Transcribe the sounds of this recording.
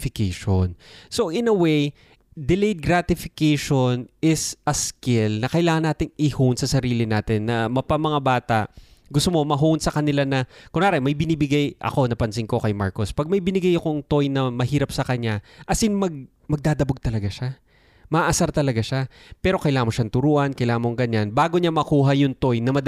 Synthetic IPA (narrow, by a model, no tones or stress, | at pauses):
fɪkeʃonso̞ʔɪnɐwej | d̪ɪlejd̪̚ɡɾat̪ɪfɪkejʃonɪsʔɐskɪlnɐkɐʔɪlaːŋɐnːaːt̪ɪŋɪhunsɐsɐɾiːlɪnaːt̪ɪnːɐmɐpɐmɐŋabaːt̪aʔɡʊst̪omo̞mɐɦunsɐkɐnɪlanɐkʊŋaːɾɛmɐjbɪniːbɪɡajʔɐ̰ko̞nɐpɐnsɪŋko̞kɐjma̰ɹko̞spɐɡ̚mɐjbɪnɪɡajɐkoŋt̪o̞jnɐmɐɦiːɾɐpsɐkɐɲaʔɐsɪŋmɐɡ̚ | mɐɡ̚d̪aːd̪ɐboɡ̚t̪ɐlɐɡaʃa | mɐʔaʔɐsaɾt̪ɐlɐɡaʃa | pɛːɾo̞kɐjlaːɐmːoʃant̪ʊɾuːʔɐnkɐjlaːɐmoŋɡɐɲanbaːɡoɲamɐkuːɦɐjʊŋt̪ojnɐmɐd̪